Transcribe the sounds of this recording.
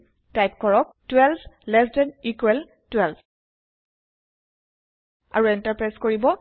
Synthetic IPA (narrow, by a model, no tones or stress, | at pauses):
tajp̚kɔɹɔk̚twɛlblɛsdɛnikwɛl | twɛlb | a̰ɹuɛntaɹpɹajskoɹibɔ